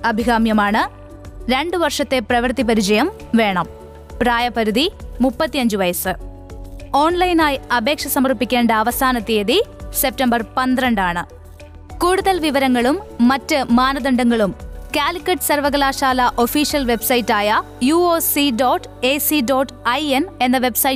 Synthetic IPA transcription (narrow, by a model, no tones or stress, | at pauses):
ɐbʱiɣaːmjɐmaːɳɨ | ɾe̞ɳɖɨʋɐrʂɐt̪ːe̞prɐʋɐrt̪ipɐɾit͡ɕɐjɐm | ʋe̞ːɳɐm | praːjɐpːɐɾuðimupːɐt̪ːijɐɲd͡ʑuʋɐjɐsɨ | o̞ːɳlɐjnaːjɐbʱe̞ːkʂɐsɐmɐrpːikʲːeːɳɖɐːʋɐsaːnɐt̪ːeːðise̞p̚tɐmbɐrpɐnd̪iɾɐɳɖaːɳɨ | kuːɽuðɐlʋiʋɐɾɐŋːɐɭumːɐtːɨmaːnɐðɐɳɖɐŋːɐɭumkaːlikʲːɐʈːɨ̥sɐrʋɐɣɐlaːʂaːlɐʔo̞fiːʂijɐlʋe̞bsɐjitːaːjɐ | juoːsiɖoːʈː | esiɖoːʈːɐjene̞nːɐʋe̞bsɐj